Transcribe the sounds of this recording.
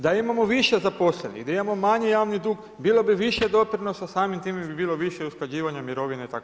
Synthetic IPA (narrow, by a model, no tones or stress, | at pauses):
d̪aimamoʋiʃezapo̞slenḭɣd̪aimamo̞maɲijaːʋnid̪uːɡ | biːlˠobiʋiʃjed̪o̞pɾino̞sasaːmimt̪iːmebibiːlo̞ʋiʃjeusklad͡ʑiːʋaɲamiɾo̞ʋineit̪ako